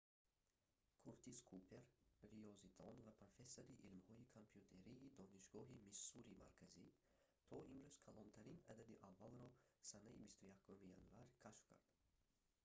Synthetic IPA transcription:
kʰuɾt̪iskʰupʰe̞ɾriɔzid̪ʰɔnvapʰɾofe̞sːoɾiʔilmhɔikʰompʰjut̪ʰe̞ɾiːd̪ɔniʃɡɔɦimisuɾima̰ɾkʰazi | t̪ʰɔʔimɾyz̥kʰalɔnt̪ʰaɾina̰d̪ad̪iʔavːalɾɔsanaḭbist̪ujakʰumija̰nvaɾkʰaʃfkʰa̰ɾd̪̥

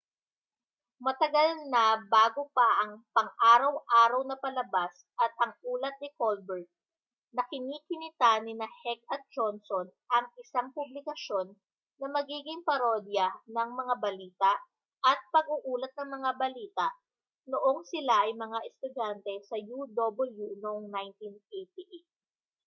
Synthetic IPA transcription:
mɐt̪ɐɡalnɐbaːɡopɐʔɐŋpɐŋʔaːɾɐwʔaːɾɐwnɐpɐlɐbas | ʔɐt̪̚ʔɐŋʔuːlɐt̪̚nɪkolbɛɹt̪̚ | nɐkɪniːkɪnɪt̪anɪnahɛk̚ɐt̪̚d͡ʒonsonʔɐŋɪsaŋpʊblɪkɐʃo̞nː | ɐmɐɡiːɡɪŋpɐɾod̪jɐnɐŋmɐŋabɐliːt̪ɐʔ | ʔɐt̪̚pɐɡ̚uʔuːlɐt̪̚nɐŋmɐŋabɐliːt̪aʔ | noʔoŋsɪlaʔɐjmɐŋaʔɛst̪ʊd͡ʒant̪ɛsɐjud̪obɪljunoʔoŋnajnt̪inʔejt̪iʔet̪̚

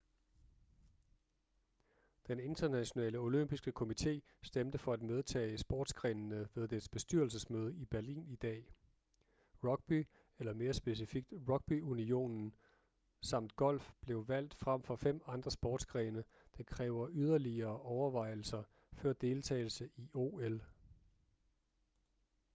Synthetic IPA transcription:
d̥ene̝nd̥ɐnæɕo̝nɛ̰ːləo̝løm̰b̥isɡ̥əkʰo̝mit͡sʰe̝̰ː | sd̥emd̥əfɒ̽æd̥með̞ˠt͡sʰɛ̰ːɪsb̥ɒːd̥sɡ̥ʁɛnnəʋe̝ð̞ˠd̥e̥sb̥e̝sd̥yɐl̩səsmøːð̞ˠəib̥æɐlḭːnid̥ɛ̰ː | ʁɒ̽ɡ̥̚b̥i | elɐme̝ːɐsb̥e̝s̬ifiɡ̥̚d̥ʁɒ̽ɡ̥̚b̥iunio̝̰ːnn̩ | sɑ̈m̰d̥ɡ̥ɒ̽l̰fb̥le̝ʊʋæl̰d̥fʁam̰fɒ̽fem̰ɑ̈nd̥ʁɐsb̥ɒ̰ːd̥sɡ̥ʁɛːnə | d̥enkʰʁɛːʊɐʔyð̞ˠɐliɐːʔɒʊɐʋɑ̈ɪ̰l̩sɐ | fɶɐ̰d̥e̝ːlt͡sʰɛ̰ːl̩səʔiʔo̝ːel

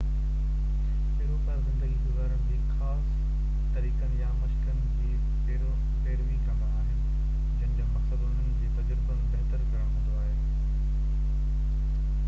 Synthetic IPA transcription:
pɪːɾopɐːɾbə̃nd̪əɡiɡʊzaːɾəɽ̃d͡ʑeːxaːs | t̪ɐɾiːkənɪ̆jamɐʃkənɪ̆d͡ʑiː | peːɾo | peːɾʋikaːmaaɦɪ̃ːn | d͡ʑɐ̃nɪ̃d͡ʑoːmɐksəd̪ʊnənd͡ʑeːd͡ʑt̪ɐd͡ʑɾbənɪ̆t̪ɐt̪əɾkɐɾəɽ̃ɦʊ̃nd̪oaːɦeː

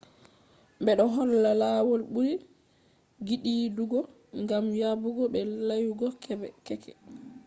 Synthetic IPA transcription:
mbɛɗɔɦɔlːalawɔlɓuɾi | ɡiɗiːduɡɔ | ŋɡamjabuɡɔɓɛlajuɡɔkʰɛbɛkɛkɛ̰

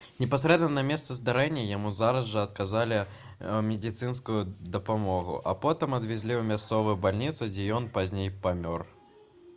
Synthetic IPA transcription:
nʲɛpasʲɾɛd̪nɐnɐmʲɛst̪sɐzd̪aɾɛnʲːɐjamuzaɾɐzʐɐɐt̪kazalʲi | mʲɛd̪ʲit̪sɨnskʊjud̪ɐpamɔɣṵʔɐ̰pɔt̪ɨmɐd̪vʲɛzʲlʲiumʲast̪sɔvɨjubalʲnʲit̪sɨd͡zʲɛjɔnpazʲnʲejpamʲɔr

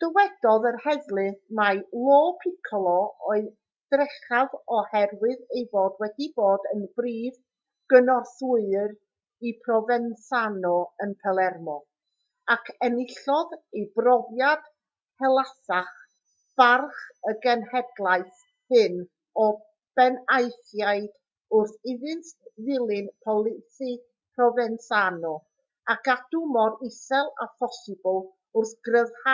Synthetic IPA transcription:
d̥əwɛd̥ɔðərhɛðlˠɨθmalˠoːpʰɪkʰlˠɔɔɨð | d̥rɛχavɔhɛrwɨðejvoːdwɛdiboːdənbriːv | ɡ̥ənɔsʊɨr | ipʰrɔvɛnsanɔənpʰɛlˠɛrmɔ | akʰɛnɪɬɔðejbrɔvjad̥ | hɛlˠasaχ | b̥arχəɡɛnhɛdlˠaɨθ | hɨn | ɔ | b̥ɛnajθjaɨd̥ | ʊrθɪðɨntvɪlˠɪnpʰɔlˠɪθi | pʰrɔvɛnsanɔ | akʰad̥ʊmɔɾɪsɛlˠa̰pʰɔsɪbəlˠ | ʊrθɡ̥rəvha

